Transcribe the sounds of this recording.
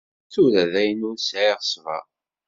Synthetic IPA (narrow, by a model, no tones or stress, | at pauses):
θuɾæðæjənʊɾsʕiʁə̥svɑ̰